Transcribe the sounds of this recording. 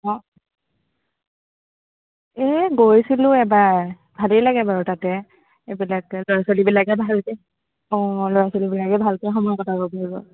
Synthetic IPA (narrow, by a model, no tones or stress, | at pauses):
ɔ | ɛɡojsilʊ̃ɛba | bʱalijlaɡɛbaɹutatɛ | ebilaklɔɹasolibilakɛbʱalkɛ | ɔ̃lɔɹasolibilakɛbʱalkɔxɔmɔjɔkɔtʰabɔpaɹibɔ̰